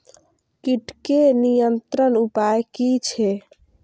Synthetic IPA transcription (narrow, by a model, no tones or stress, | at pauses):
kiʈkenijənt̪ɾənupajkit͡ʃʰɛ